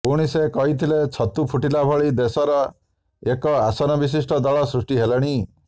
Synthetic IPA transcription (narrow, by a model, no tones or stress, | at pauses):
puɽ̃isekɔɦit̪ʰilet͡ʃʰɔt̪upʰuʈilabʱɔɭid̪esɔɾɔ | ekɔasɔnɔbis̬isʈʰɔd̪ɔɭɔsɾusʈiɦeleɽ̃i